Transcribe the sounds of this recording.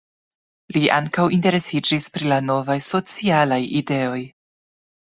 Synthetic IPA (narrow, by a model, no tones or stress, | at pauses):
liʔa̰ŋkawinte̞ɾe̞sid͡ʒispɾilano̞vajso̞t͡sialajide̞o̞j